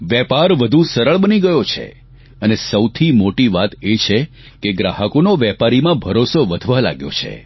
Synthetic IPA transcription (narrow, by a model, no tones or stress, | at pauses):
ʋjɛpaɾʋəd̪ʱusəɾəɭbəniɡəjot͡ʃʰḛ | ənesəwt̪ʰimoʈiʋat̪et͡ʃʰe | keɡɾaɦəkonoʋjɛpaɾimãbʱəɾosoʋəd̪ʱʋala̰ɡjo̰t͡ʃʰḛ